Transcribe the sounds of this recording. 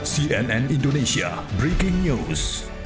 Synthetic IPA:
siɛnɛ̃nĩndonẽsia̰ | bɾikɪ̃ŋnus

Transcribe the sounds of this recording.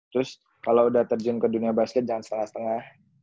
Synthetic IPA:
t̪ɾʊs | kalawudaht̪ərd͡ʒʊnkəduniabaskɛt̪̚d͡ʒaŋansə̥t̪əŋahsə̥t̪əŋah

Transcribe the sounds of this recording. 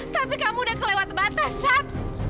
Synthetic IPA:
t̪apikamudakəlewat̪̚bat̪asat̪̚

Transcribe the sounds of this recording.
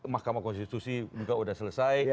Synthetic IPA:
mahkamakɔnst̪it̪usid͡ʒukaudasələsaj

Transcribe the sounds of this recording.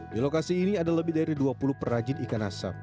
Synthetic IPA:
dilokasiːniadaləbɪhdaɾiduapulʊpərad͡ʒɪnikanasa̰p̚

